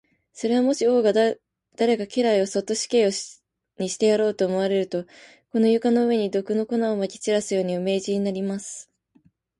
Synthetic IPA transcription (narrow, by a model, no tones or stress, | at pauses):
so̞ɾe̞βamo̞ɕio̞ːɡa | d̪̥aɾe̞kakʲe̞ɾaio̞so̞t̪ːo̞ɕi̥ke̞ːo | ɲ̟iɕi̥t̪e̞jaɾo̞ːt̪o̞ːmo̞β̞aɾe̞ɾɯ̟t̪o̞ | ko̞no̞jɯ̟kano̞ɯ̟βe̞ɲ̟id̪o̞kɯ̟no̞ko̞naomakʲi̥t͡ɕiɾasɨjo̞ːɲ̟iome̞ːʑiɲ̟inaɾʲimasɨ̥